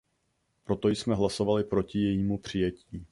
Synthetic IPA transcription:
pɾo̞t̪o̞jsmɛɦlaso̞valɪpɾo̞cɪjɛjiːmupr̝̥ɪjɛciː

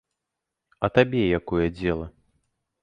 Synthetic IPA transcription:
ɐt̪abʲɛjakɔjɐd͡zʲɛlˠɐ

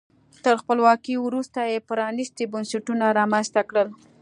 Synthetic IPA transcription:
t̪əɾxpəlwɑkiwɾust̪ajepəɾɑnist̪ibʊnsaʈunaɾɑmanst̪akɽəl

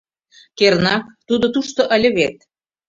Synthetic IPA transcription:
kernɑkt̪ud̪ŏt̪uʃt̪oʔə̆lʲə̆βet̪̚

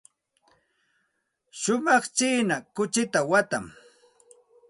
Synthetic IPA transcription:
ʃʊmɑχt͡ʃiːnakʊt͡ʃɪt̪awat̪a̰ŋ

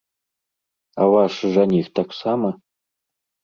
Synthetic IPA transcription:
awaʂɨʐanʲext̪ʰaksamɐ

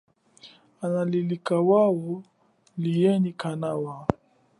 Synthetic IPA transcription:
analilikawawɔ | lijɛnikanawa

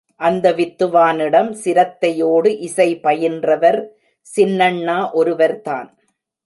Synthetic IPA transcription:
ʔɐnd̪ɐʋɪt̪ːɯʋaːnɪɽɐmsɪɾɐt̪ːɐjoːɽɯʔɪsɐɪpɐjɪndrɐʋɐɾ | sɪnːɐɳːaːʔɔɾɯʋɐɾt̪a̰ːn

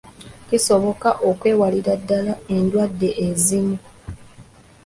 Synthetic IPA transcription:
ciso̞βo̞kaʔo̞kwe̞ːwaliɾadːalae̞ndwadːe̞ʔezimu

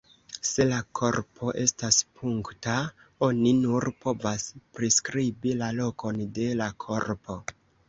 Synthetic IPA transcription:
se̞lakʰo̞ɾpʰo̞ʔe̞staspʰuŋkta | o̞ninuɾpo̞vaspɾiskɾibilalo̞ko̞nde̞lakʰo̞ɾpʰo̞

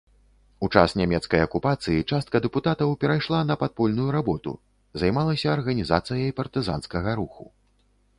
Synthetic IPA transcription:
ut͡ʂa̰snʲamʲɛt̪skɐjɐkupat̪sɨjit͡ʂast̪̚kɐd̪ɛput̪at̪ɐwpʲɛɾajʂlˠanɐpat̪̚pɔlʲnujuɾabɔt̪ṵ | zajmalˠɐsʲɐːrɣɐnʲizat̪sɨjɐjpɐrt̪ɨza̰nskɐɣɐɾuxṵ

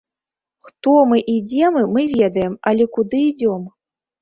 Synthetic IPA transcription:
xt̪ɔmɨʔid͡zʲɛmɨmɨvʲɛd̪ɐjɛmalʲɛkud̪ɨid͡zʲɔm

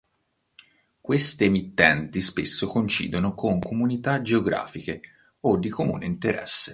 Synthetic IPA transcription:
kwest̪ːmit̪ːɛnt̪ispesːokont͡ʃḭːd̪onokʰoŋkomunit̪ad͡ʒeoɡɾa̰ːfike | od̪ːikomṵːnḛint̪eɾɛ̰sːe

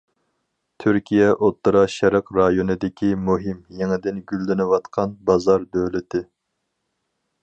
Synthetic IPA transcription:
t̪ʰyɾkʲʰijɛʔot̪ːɨɾɑʃɛɾəqɾɑjonɨd̪ɪkʲimuɦɪmjeŋɪd̪ɪnɡʲylːɪnɪwɑt̪qʰɑnbɑzɑɾbølɪt̪ʰɪ

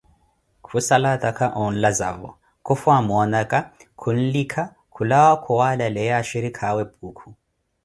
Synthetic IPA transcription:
kʰusalatʼakʰaʔɔn̩lazavɔ̰ | kʰufwamɔnakʼakʰun̩likʰa | kʰulawakʰuwalalɛjaʃiɾikʰawɛb̚uːkʰu̥

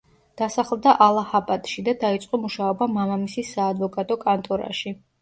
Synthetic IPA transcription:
d̪̥asaχlˠd̪aʔalˠahapʼat̪ʼʃid̪ad̪ait̪sʼqʼɔmuʃaɔbamamamisisːaːd̪vɔkʼat̪ʼɔkʼant̪ʼɔɾa̰ʃi

